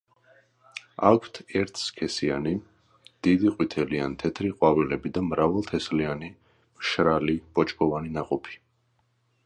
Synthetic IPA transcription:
a̰kʷʰt̪ʰɛɾt̪ʰskʰɛsiani | d̪̥id̪iqʼwit̪ʰɛliant̪ʰɛt̪ʰɾiqʼwavɛlɛbid̪amɾavɛlˠt̪ʰɛsliani | mʃɾalib̥ɔt͡ʃʼkʰʼɔvaninaqʼɔpʰi̥

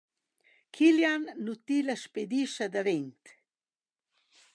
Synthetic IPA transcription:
kʰiljanːut̪ilaʃped̪iʃad̪aʋent̪

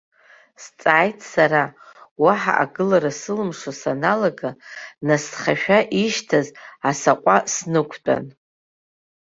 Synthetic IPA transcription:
st͡sʼaːjtʼʰsaɾawaħa̰ʔa̰ɡɨlaɾasɨlɨmʂosanalaɡanasχaʃᶣaʔiʃtʰazasaqʷʼasnɨkʷʰtʼa̰n

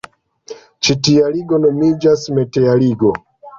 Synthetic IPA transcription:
t͡ʃitijaliɡɔnɔmid͡ʒasmɛtɛjaliɡɔ

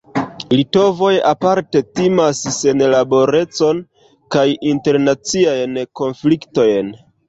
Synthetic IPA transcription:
lito̞vo̞japaɾte̞timasse̞nlabo̞ɾe̞t͡so̞n | kajinte̞ɾnat͡siajnko̞nflikto̞jn

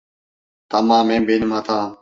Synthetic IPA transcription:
t̪əmãːmẽːbʱiːnmãːt̪ʰaː

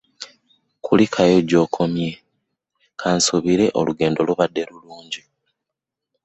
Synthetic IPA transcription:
kʰulikʰajoɟo̞ːkʰo̞mje̞ | kʰaːnsuβiɾe̞ʔo̞̰luɡe̞ːndo̞loβadːe̞ɾuluːɲɟi

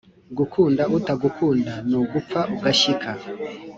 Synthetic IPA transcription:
ɡukʰuːndautaɡukʰuːndanuɡup͡faʔuɡaʃikʰa

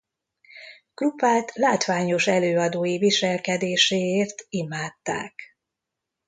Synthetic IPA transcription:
klupaːlt̪ʰlaːt̪ʋaːɲo̞ʃɛløːɒd̪oːjiviʃɛlkɛd̪eːʃeːeːrt̪imaːt̪ːa̰ːk

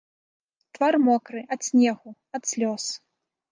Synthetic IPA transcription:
t̪varmɔkɾɨʔɐt̪sʲnʲɛɣu | ɐt̪sʲlʲɔs

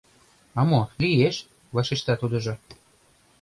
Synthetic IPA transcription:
ɑmolijeʃ | vaʃiʃt̪ɑt̪ud̪ɤ̆ʒɤ̆

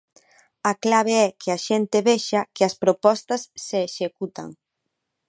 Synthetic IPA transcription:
aklaβeɛkʰɪaʃent̪ɪβeʃɐkɪɐspɾopɔst̪ɐsːeːʃekut̪a̰ŋ

